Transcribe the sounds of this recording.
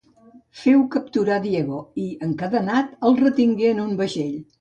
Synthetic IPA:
fɛwkəp̚t̪uɾad̪iɛɣoiəŋkaðənat̪əlˠrət̪iŋɡeənumbəʒeʎ

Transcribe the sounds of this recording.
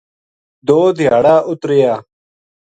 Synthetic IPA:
d̪oːd̪ʱɪjaːɽaːʔʊt̪ɾɪjaː

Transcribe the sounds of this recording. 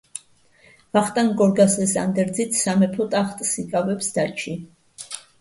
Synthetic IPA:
vaχt̪ʼaŋɡɔɾɡasɛsa̰nd̪ɛɾd̪zit̪ʰsamɛpʰɔt̪ʼaχt̪ʼsikʼavɛpsd̪at͡ʃʰi

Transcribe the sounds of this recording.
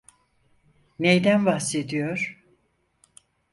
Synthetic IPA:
nejd̪ænvahsed̪ijo̞ɾ̥

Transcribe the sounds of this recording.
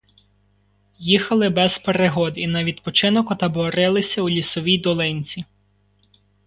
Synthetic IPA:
jixɐlˠɪbɛz̥peɾeɦɔd̪inɐʋʲid̪pɔt͡ʃɪnɔkʊt̪ɐbɔɾɪlˠɪsʲɐulʲisɔʋʲijd̪ɔlˠɪnʲt͡sʲi

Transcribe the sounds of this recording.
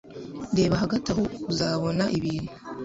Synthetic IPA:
nde̞ːβaɦaɡatahouzaːβo̞naʔiβiːnu̥

